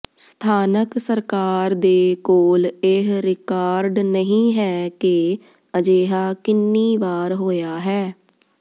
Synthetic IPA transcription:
st̪ʰaːnəksəɾkaːɾd̪eːkoːlɪɦɾɪkaːɾɖnəɦĩːɦɛːke | əd͡ʒeːɦaːkɪnːiːʋaːɾɦoːjaːɦɛː

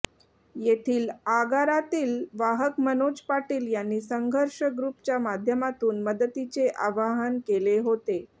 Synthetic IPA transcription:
jet̪ʰiːlaɡaɾat̪iːlʋaɦəkmənod͡ʑpaʈiːljanːiːsəŋɡʱəɾʂəɡɾupt͡ɕjamad̪ʱjəmat̪uːnməd̪ət̪it͡seʔaʋaɦənkeleɦot̪e

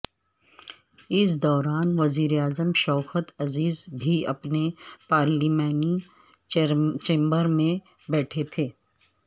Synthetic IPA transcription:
ɪs̬d̪ɔːɾaːnʋɐziːɾeaːzəmʃɔːxət̪ɐziːzbʱiɐ̰pnepaːɾliːmaːni | t͡ʃẽːmbəɾmẽ | bɛːʈʰet̪ʰeː

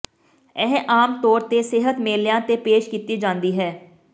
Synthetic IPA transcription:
ɛːɦʔaːmt̪ɔːɾt̪eːsɪɦət̪meːljãːt̪eːpeːʃkiːt̪iːd͡ʒãːnd̪iːɦɛː

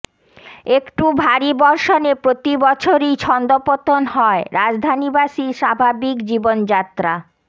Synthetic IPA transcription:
ekʈubʱaɾibɔɾʃonepɾot̪ibɔt͡ɕʰoɾit͡ɕʰɔnd̪opot̪onhɔeɾad͡ʑd̪ʱanibaʃiʃabʱabikd͡ʑibond͡ʑat̪ːɾa

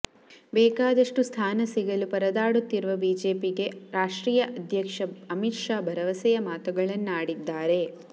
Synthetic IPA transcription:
bɛːkaːd̪ɐʂʈust̪ʰaːnɐsiɡɐlupɐɾɐd̪aːɽut̪ːiɾuʋɐbiːd͡ʒe̞ːpiɡe̞ɾaːʂʈɾiːjɐʔɐd̪ʱjɐkʂɐɐmitʂaːbʱɐɾɐʋɐsɛjɐmaːt̪ɐɡɐɭɐnːaːɽid̪ːaːɾe̞

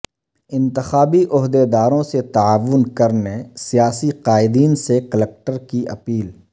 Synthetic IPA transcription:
ɪ̃nt̪ɪxaːbiʔʊɦd̪ed̪aːɾõset̪aaːʋʊnkɐɾnesijaːsiqaːɪd̪iːnsekəlɛk̚ʈəɾkiʔɐ̰piːl

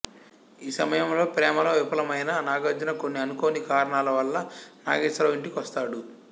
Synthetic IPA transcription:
iːsɐmɐjɐmlo̞ːpɾɛːmɐloːʋipɐlɐmɐjnɐnaːɡɐd͡ʒɐnɐko̞nːiɐnukoːnikaːɾɐɳaːlɐʋɐlːɐna̰ːɡeːsɾɐʋiɳʈikiʋɐst̪aːɽu

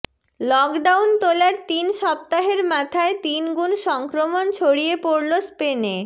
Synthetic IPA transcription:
lɔkɖawnt̪olaɾt̪inʃɔp̚t̪aɦeɾmat̪ʰaet̪inɡunʃɔŋkɾomont͡ɕʰoɽijepoɾlospene

